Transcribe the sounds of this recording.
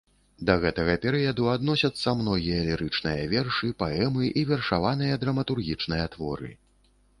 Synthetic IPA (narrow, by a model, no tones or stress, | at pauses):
d̪ɐɣɛt̪ɐɣɐpʲɛɾɨjɐd̪uad̪nɔsʲɐt̪sːɐmnɔɣʲijɐlʲiɾɨt͡ʂnɨjɐvʲɛrʂɨpaɛmɨʔivʲɛrʂavanɨjɐd̪ɾɐmɐt̪urɣʲit͡ʂnɨjɐt̪vɔ̰ɾɨ̰